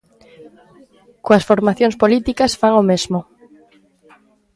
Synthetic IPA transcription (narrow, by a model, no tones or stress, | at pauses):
koasfoɾmaθjoŋspolit̪ikasfaŋomezmo